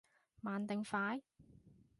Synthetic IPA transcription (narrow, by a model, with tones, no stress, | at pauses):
maː˨nt̪ɪ˨ŋfaː˨˥j